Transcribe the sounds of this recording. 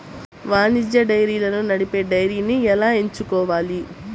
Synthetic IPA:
ʋaːnid͡ʒjɐɖɐjɾiːlɐnunɐɽipe̞ːɖɐjɾiːniɛlaːe̞ɲt͡ʃukɔːʋaːli

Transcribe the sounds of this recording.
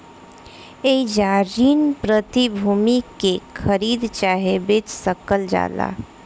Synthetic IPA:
eid͡ʒaɾinpɾət̪ibʱuːmikekʰəɾiːd̪t͡ʃaːɦebet͡ʃsəkəld͡ʒa̰ːla̰

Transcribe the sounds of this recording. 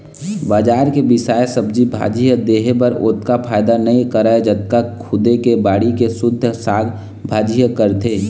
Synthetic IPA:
baːd͡ʒaːɾkebɪsaːjsəbd͡ʒibʱa̰ːd͡ʒijəd̪eːɦpəɾoːt̪kapʰaːɪd̪anɐĩkəɾaed͡ʒət̪kakʰʊd̪ekebaːɽikesʊd̪ʱːsaːɡ | bʱaːd͡ʒijəkəɾt̪ʰeː

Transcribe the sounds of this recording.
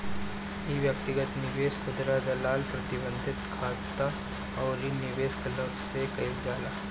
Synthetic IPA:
iʋjɐk̚t̪ɪɡət̪nɪʋeːskʰʊd̪ɾad̪ɐlaːlpɾɐt̪ɪbə̃nd̪ʱɪt̪kʰaːt̪a | ɔːɾinɪʋeːsklɐɡsekɐid͡ʒaːlaː

